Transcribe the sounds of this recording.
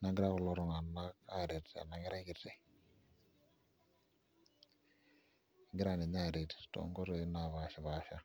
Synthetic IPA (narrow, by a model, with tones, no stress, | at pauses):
na˨˦ɡɪ˦ɾa˦kʊ˨lɔ˦ɾɔ˨ŋa˨na˦ka˦˨ɾe˨ta̰˨na˨˦ŋi˦ɾa˦ɡi˨te˨˦ | ɡi˦ɾa˦˨ni˨ɲ˦a˦˨ɾe˨tto̰˨ŋ˦ɡɔ˦ɾe˨˦na˨βa˨ʃa˨βa˨˦ʃa˦